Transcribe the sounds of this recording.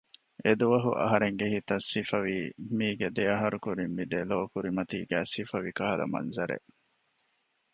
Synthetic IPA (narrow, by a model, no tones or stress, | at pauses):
ed̪uʋɐɦṵʔɐ̰ɦɐɾeŋɡehit̪ɐsːifɐʋiːmiːɡed̪eɐɦɐɾukuɾimːid̪eloːkuɾimɐt̪iːɡæːsifɐʋikɐɦɐlɐ̰mɐ̰nzɐɾḛʔ